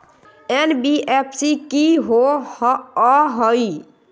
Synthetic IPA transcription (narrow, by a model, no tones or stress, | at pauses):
enbiepʰsikiɦo | ɔɦəj